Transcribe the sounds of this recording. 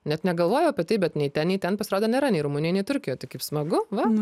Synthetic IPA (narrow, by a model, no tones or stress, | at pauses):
nʲɛt̪nʲɛɡɐlˠʋoːjɛʊɐpʲɛt̪ʲɐɪpbʲɛt̪nʲɛɪt̪ʲɛnnʲɛɪtʲɛnpɐsʲɪɾoːd̪oːnʲeːɾɐnʲɛɪɾuːmʊnʲɪjɛnʲɛɪt̪ʊɾʲkʲɪjoːjt̪ʲɐɪkɐɪpsmɐɡʊʋɐ